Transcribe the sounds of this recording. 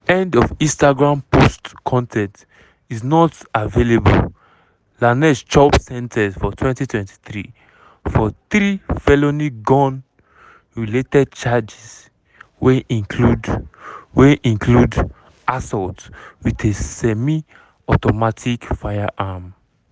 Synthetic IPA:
ɛ̃ndɔvĩnstaɡɹãmpostkʰɔ̃ntʰɛ̃nt | iznɔtavelebo̰l | lanɛst͡ʃɔpsɛ̃ntʰɛsfɔtʰwɛ̃ntitʰwɛ̃nti̥θɹḭ | fɔt̪ɹifɛloniɡɔ̃n | ɹiletɛd̚t͡ʃad͡ʒis | weʔĩkʰlu | weʔĩŋkʰlud | asɔltwiðesɛmi | ɔtɔmatʰikfajaʔam

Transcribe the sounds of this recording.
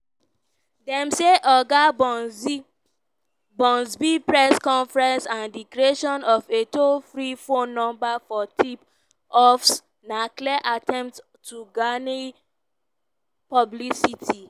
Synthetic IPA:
dɛ̃mseʔɔɡab | bɔ̃nsbipɹɛskɔ̃nfɹɛ̃nsãndikɾeʃɔ̃nɔfetofɹifõnːɔ̃mbafɔtʰip | ɔfs | nakliɛʔatɛ̃mpt | tːuɡani | pɔblisitʰi

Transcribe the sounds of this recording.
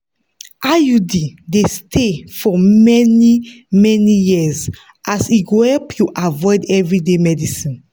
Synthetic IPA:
ajudidestʰefɔmɛni | mɛnijiz | ʔasiɡohɛlpʰjuʔavɔɪdɛvɹidemɛdisĩn

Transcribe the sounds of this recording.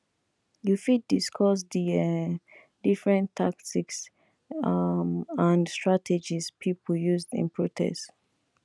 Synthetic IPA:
jufid̚diskʰɔs̬di | difɹɛ̃ntʰaktʰiks | ãnstɹatʰɛd͡ʒispʰipʰjuzdḭ̃npʰɹotʰɛ̰st

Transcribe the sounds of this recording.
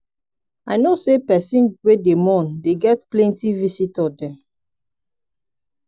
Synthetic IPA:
aɪnosepɛsĩnwedemɔ̃ndeɡɛtplɛ̃ntivisitɔdɛ̃m

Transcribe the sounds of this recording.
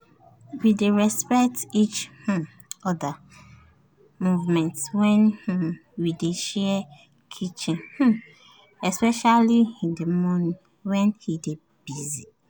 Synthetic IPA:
wideɹɛspɛk̚tit͡ʃh̩ | ɔda | muvmɛ̃ntswɛ̃nh̩wideʃɛ | kʰit͡ʃĩnh̩ | ɛspɛʃaliĩdemɔnĩ | wɛ̃nhide | b̥izi

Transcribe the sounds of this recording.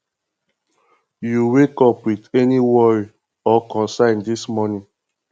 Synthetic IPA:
juwekɔpwidɛniwɔɹi | ɔkɔ̃nsãɪ̃ndismɔnĩ

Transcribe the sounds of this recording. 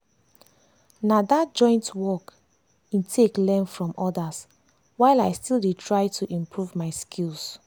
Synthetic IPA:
nadad͡ʒɔ̃ɪ̃ntwɔk | ĩntʰeklɛ̃nfɹɔ̃mɔdas | waɪlaɪstildetʰɹaɪtʰuʔĩmpʰɹuvmaɪskʰils

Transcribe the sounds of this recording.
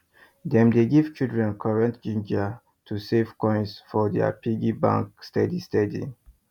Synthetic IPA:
d̪ɛ̃mdeɡiv̥t͡ʃildɹɛ̃nkʰaɹɛ̃ntd͡ʒĩnd͡ʒa | tʰusevkɔ̃j̃nsfɔdɛ̰pʰiɡibã̰ŋkstɛdistɛdḭ

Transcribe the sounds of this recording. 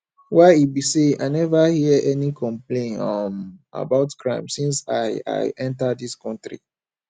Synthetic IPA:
waɪibisea̰ɪnɛvahiʔɛnikʰɔ̃mplẽnɔma̰baʊtkʰɹãɪ̃msĩnsaɪa̰ɪʔɛ̃ntadiskɔ̃ntɹḭ

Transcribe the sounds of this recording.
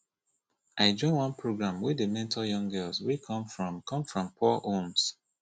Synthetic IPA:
ʔaɪd͡ʒɔ̃ɪ̃nwɔ̃npʰɹoɡɹãmwɪəmɛ̃ntʰɔjɔ̃ŋɡɜlswikʰɔ̃mfɹɔ̃mkʰɔ̃mfɹɔ̃mpʰɔʔõms

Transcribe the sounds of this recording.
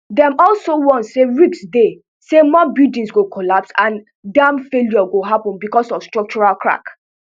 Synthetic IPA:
dɛ̃mɔlsowɔ̃nseɹiksde | semɔbidĩnsɡokʰɔlapsãn | dãmfeljɔɡoɦapɔ̃nbikɔsɔfstɹɔk̚t͡ʃuɹalkʰɹa̰k

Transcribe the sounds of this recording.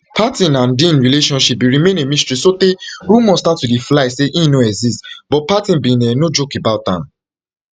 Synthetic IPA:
pʰatĩnãndĩnɹileʃɔ̃nʃip̚biɹimẽnemĩstɹisoteɾumɔ̃statːudiflaɪseʔĩnoɛɡzistbɔt̚patĩnbĩnɛnod͡ʒokebaʊtã̰n

